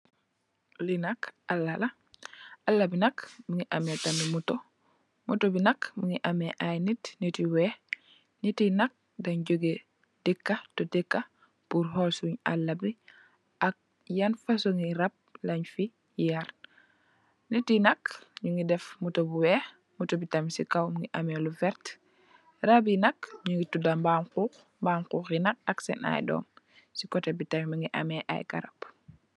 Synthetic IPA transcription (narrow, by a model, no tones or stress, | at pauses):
linakalːala | alːabinakmiŋiʔametamimuto | mutobinakmiŋiʔameʔajnitnitiwe | nitinak̚ | daɲɟoɡe | d̥ikːatotikːa | puɾɦolsuɲa̰lːabi | ʔak̚ | janfasoŋɡiɾap̚laɲfi | jaɾ | nitinɐkɲuŋɡidɛfmutobuwɛx | mutobitamisikawmŋɡiʔamelufɛɾt | rabinɐkɲuŋɡitudambamkuːx | mbaːmkuːxjinɐk̚aksɛ̰na̰jdɔ̰ːm | sikɔtebitamimiŋɡiʔa̰meʔa̰jka̰ɾap